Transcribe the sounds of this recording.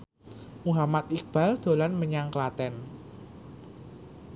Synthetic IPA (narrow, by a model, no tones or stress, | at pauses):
muɦamat̪ik̚b̥a̤ld̪̥o̤lanməɲaŋklat̪ɛn